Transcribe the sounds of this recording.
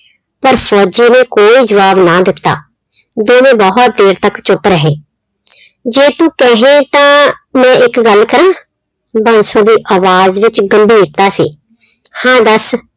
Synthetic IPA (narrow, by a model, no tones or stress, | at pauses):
pəɾpʰɔːd͡ʒiːnẽːkoːiːd͡ʒəʋaːbnaːd̪ɪt̪ːa̰ː | d̪oːmẽːbəɦʊt̪̚d̪eːɾt̪əkt͡ʃʊpɾəɦeː | d͡ʒeːt̪ũːkɛɦẽːt̪ãːmɛ̃ːɪkɡəlkəɾãː | bənsõːd̪iːʔaːʋaːzʋɪt͡ʃɡəmbʱiːɾt̪aːsḭː | hãːd̪əs